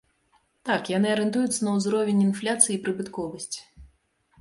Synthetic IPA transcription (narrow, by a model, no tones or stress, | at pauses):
t̪akjanɨɐɾɨnt̪ujut̪sɐnɐwzɾɔvʲɛnʲinflʲat̪sɨjiːpɾɨbɨt̪kɔvɐsʲt͡sʲi̥